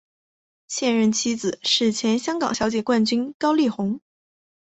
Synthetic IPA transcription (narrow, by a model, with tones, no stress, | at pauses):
ɕjɛ˥˧nɻə˥˩nt͡ɕʰi˥d͡zɹ̩˨˩˦ʂɻ̩˥˩t͡ɕʰjɛ˧˥nɕjɑ˥ŋkɑ̰˨˩ŋɕjɑ˧˥ʊt͡ɕjɛ˨˩kwa˥˩nt͡ɕy˥nkɑ˥ʊli˥˩xʊ˧˥ŋ